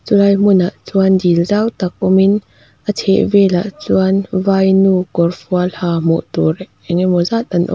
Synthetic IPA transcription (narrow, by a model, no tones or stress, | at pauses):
t͡sulajmunaʔt͡suandilzawt̪ak̚ɔmin | ʔətʰɛ̰ʔvɛla̰ʔt͡suanvajnukɔrfɔalhamɔ̰ʔt̪uɾ | ɛŋɛmɔzat̪̚anʔɔ̰